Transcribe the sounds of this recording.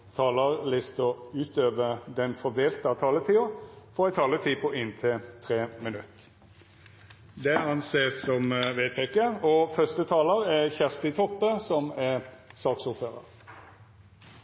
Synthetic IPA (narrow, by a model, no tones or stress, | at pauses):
t̪ʰɑːləʁlɪst̪ɔʉːt̪øːʋəd̪ɛnfɔd̪eːlt̪əɑt̪ʰɑːlət̪ʰiːɔfɔɑæɪt̪ʰɑːlət̪ʰiːpʰɔʔɪnt̪ʰɪt̪ʰʁeːmɪnʉt̪ː | d̪ɛɑnseːsːɔmʋeːt̪ʰɛkəɔfœst̪ət̪ʰɑːləɾɛçæʁst̪ɪt̪ʰɔpːəsɔmɛsɑːksʊːɾføːʁə̰ʁ